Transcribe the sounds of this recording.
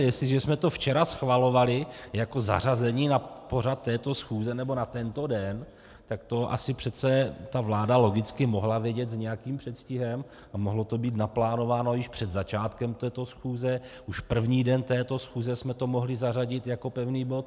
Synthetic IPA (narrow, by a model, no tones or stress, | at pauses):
jɛst̪lɪʒɛsmɛt̪o̞ft͡ʃɛɾasxvalo̞valɪjako̞za̰razɛɲiːnapo̞r̝at̪ːɛːt̪o̞sxuːzɛnɛbo̞nat̪ɛnt̪o̞dɛn | t̪akt̪o̞ʔa̰sɪpr̥ɛt̪t͡sɛt̪avlaːdalo̞ɡɪt͡skɪmo̞ɦlavjɛɟɛt̪zɲɛjakiːmpr̝̥ɛt̪scɪɦɛm | amoɦlo̞t̪o̞biːt̪naplaːno̞vaːno̞jɪʃpr̝̥ɛd̪zat͡ʃaːt̪kɛmt̪ɛːt̪o̞sxuːzɛʔuʃpr̩vɲiːdɛnt̪ɛːt̪o̞sxuːzɛsmɛt̪o̞mo̞ɦlɪzaraɟɪt̪jako̞pɛvniːbo̞t̪̚